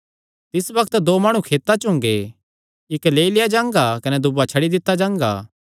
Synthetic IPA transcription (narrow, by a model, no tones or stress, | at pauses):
t̪ɪsbɐkʰt̪d̪oːmaːɽ̃ũkʰeːt̪ːat͡ʃʊ̃ŋ̆ɡe | ɪkleːilɪjad͡ʒãːŋɡakɐnɛd̪ʊbat͡ʃʰɐɽid̪ɪt̪ːad͡ʒãːŋɡa̰ː